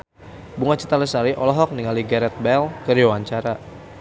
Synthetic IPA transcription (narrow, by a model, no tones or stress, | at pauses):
buŋat͡ʃət̪aləsaɾiʔɔlɔɦɔk̚niŋaliɡɛɾɛt̪̚bɛlkəɾiwaɲt͡ʃaɾa